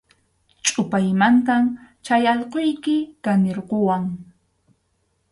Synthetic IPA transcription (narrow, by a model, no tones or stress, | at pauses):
t͡ʃʼʊpajmant̪amt͡ʃajaʎqojkɪkanɪɾqowaŋ